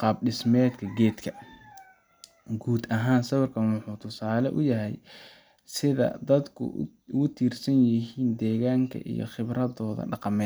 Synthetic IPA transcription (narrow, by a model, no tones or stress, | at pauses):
qɑːbɖɪsmɛːd̪kʰɐɡɛːd̪kʰɐ | ɡuːd̪ɐɦaːnsɐβɐrkʰɐnwʊħuːt̪ʰʊsaːlɛʔʊ̰jɐɦɛj | sɪðɐ̰d̪ɐd̪kʰʊ̰ | ʊɣʊt̪ʰiːrsɐnjɪɦiːnd̪ɛːɣaːŋkʰɐ̰ʔḭjɞ̰χɪbrɐðɔːðɐ̰ɖɑqɑmɛː